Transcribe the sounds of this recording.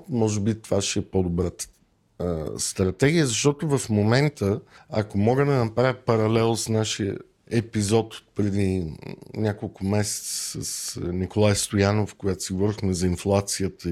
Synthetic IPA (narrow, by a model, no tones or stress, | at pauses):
mɔʒɛbit̪ovaʃɛɛpod̪obɾat̪ə̥ | st̪ɾɐt̪ɛɡʲijəzɐʃt̪ɔt̪ʊvɐfmomɛnt̪ʰəɐ̰komɔɡəd̪ɐnɐpɾavʲəpɐɾɐlɛlˠsnaʃijə̰ | ɛpizɔt̪o̥pɾɛd̪inʲakolˠkʊmɛsɛ̥t̪sə̥səsnikolˠajst̪ojanofkojat̪o̥siɡovɔɾixmɛzɐinflˠat̪sijət̪ə